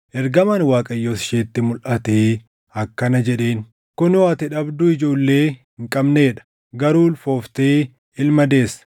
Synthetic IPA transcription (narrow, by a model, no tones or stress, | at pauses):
ʔɛɾɡɐmaːnwaːkʼɐjːoːsɪʃeːt̪ːɪmʊlʔɐt̪eː | ɐkːɐnɐd͡ʒɛᶑe̞ːn | kʊnoɐt̪ɪᶑɐbd̪ʊɪd͡ʒo̞ːlːe̞ː | ɪŋkʼɐbne̞ːᶑɐ̥ | ɡɐɾuːlfoːft̪eː | ɪlmɐd̪e̞ːs